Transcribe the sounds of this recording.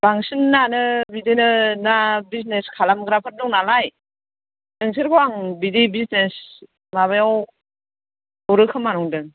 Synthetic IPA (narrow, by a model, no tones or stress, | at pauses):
b̥aŋsɯnːanɯbidinɯnabis̬neskʰalamɡɾapʰɯɾ̚dɔŋnalaj | nɯŋs̬ʰɯɾkʰɔwaŋbidibisnes | maβajaw | ɔwɾɯkʰɯmːanɔŋdɯ